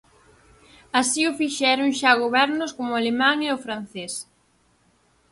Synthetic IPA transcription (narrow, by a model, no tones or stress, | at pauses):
asiʊfiʃɛɾoŋʃaɣoβɛɾnʊskomʊalemãŋeʊfɾan̟θes